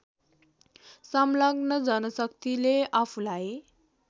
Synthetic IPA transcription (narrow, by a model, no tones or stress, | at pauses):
samlaɡnʌd͡zʌnʌsʌkt̪ileapʰũlaj